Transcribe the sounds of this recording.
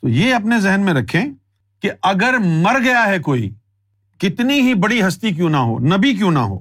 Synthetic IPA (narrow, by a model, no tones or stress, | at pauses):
t̪oːjeːɐp̬nezɛɦnmẽɾɐkʰẽː | keɐɡəɾmɐɾɡɐjaɦɛkoːḭ | kɪt̪niɦibɐɽiɦɐst̪ik̬jũnɐɦo̰ːnɐbik̬jũːnɐ̰ɦo̰ː